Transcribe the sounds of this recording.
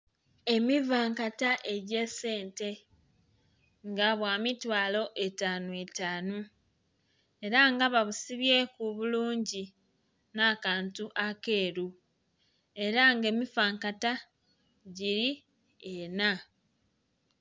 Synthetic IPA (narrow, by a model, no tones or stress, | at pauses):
e̞mivaːŋkataʔe̞ɟe̞se̞ːnte̞ | ŋɡaβwaːmitwaːlo̞ʔe̞taːnuetaːnu | eɾaŋɡaβaβusiβje̞kuβuluːɲɟi | naːkaːntuʔake̞ːɾu | e̞ɾaŋɡe̞ːmivaːŋkata | ɟiɾi | ena